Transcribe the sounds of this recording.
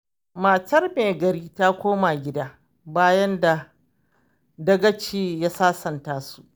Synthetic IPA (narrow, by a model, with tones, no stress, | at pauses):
ma˨tɐ˦rmeː˨ɡɐ˨ɾiː˦ta˦kʷoː˦ma˨ɡʲɪ˦daː˦ | baː˦jɐ˦nda˨ | dɐ˦ɡɐ˦t͡ʃiː˦ja˦saː˦sɐ˨ntaː˦su˦ʔ